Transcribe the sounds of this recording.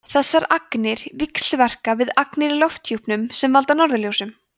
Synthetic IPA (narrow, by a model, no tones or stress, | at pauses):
θɛsːaɾaknɪɾ̥viksl̥vɛr̥kavɪðaknɪɾlɔft̪juhpnʏmsɛmvalt̪anɔɾðʏljowsʏm